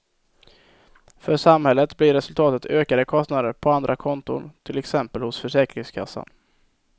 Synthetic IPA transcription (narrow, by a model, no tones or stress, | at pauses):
fœʂamhɛlːət̪blɪɾːɛsɵlt̪ʰɑːt̪ət̪ʰøːkad̪əkʰɔst̪nad̪əɾpʰɔand̪ɾʔakʰɔnt̪ʊ̰nt̪ʰɪlɛksɛmpəlhʊsfœʂɛːkɾɪŋskʰa̰sːa̰n